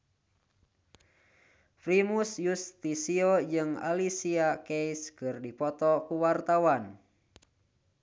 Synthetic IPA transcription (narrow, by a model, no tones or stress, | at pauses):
fɾimusjust̪isiod͡ʒɨŋa̰lisiakɛiskɨrdipɔt̪ɔkuwart̪awan